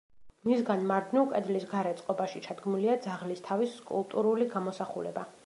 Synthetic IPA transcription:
misɡanmaɾd̪nukʼɛd̪lisɡaɾɛt̪sʼqʼɔbaʃit͡ʃʰad̪ɡmuliad̪zaʁlist̪ʰaviskʼṵlˠt̪ʼuɾuliɡamɔsaχulɛ̰ba

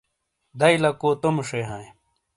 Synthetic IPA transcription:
d̪ɐilɐkoːt̪omʂeɦãj

